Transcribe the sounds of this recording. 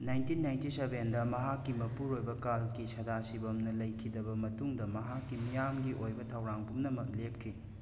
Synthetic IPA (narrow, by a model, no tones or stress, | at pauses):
najntinːajntisebendɐmɐɦakːimɐpuɾojbɐkalɡisɐdasibɐmnɐlɐjkʰidɐbɐmɐtuŋdɐmɐɦakːimijamɡiʔojbɐtʰɐwɾaŋpumnɐmɐk̚lep̚kʰi